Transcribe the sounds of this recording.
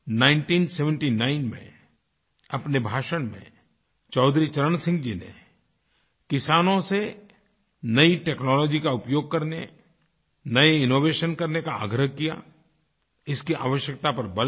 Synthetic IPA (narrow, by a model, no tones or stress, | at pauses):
nãːɪ̃ɳʈiːnseːʋə̃ɳʈinaːɪnmḛ̃ | ɐpnebʱaːʃəɽ̃mḛ̃ | t͡ʃɔːd̪ɾit͡ʃɐɾənsɪ̃ŋɡd͡ʒinḛ | kɪsaːnõse | nɐiʈeːknɔːlɔːd͡ʒikaʊpjoːɡ̚kɐɾne | nɐeɪnoːʋeːʃənkɐɾnekaa̰ːɡɾəɦkija̰ | ɪskiʔa̰ːʋəʃjək̚t̪apɐɾbɐl